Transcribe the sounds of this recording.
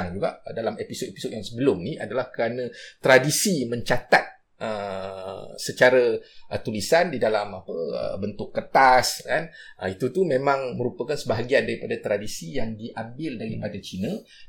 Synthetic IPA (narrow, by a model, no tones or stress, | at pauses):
ŋd͡ʒuɡa̰ʔdalamepisot̪episot̚jaŋsəbəlʊmnĩa̰dalahkəɾanə̃t̪ɾadisimə̃ɲt͡ʃat̪at̪̚ | ə | sət͡ʃaɾaʔət̪ulisandidalamapəə̰bənt̪ʊkːət̪askanəit̪ut̪umẽmãŋməɾupakansəbaɦaɡiandaɾipadat̪ɾadisijaŋdiʔambɪldaɾipadat͡ʃinə̃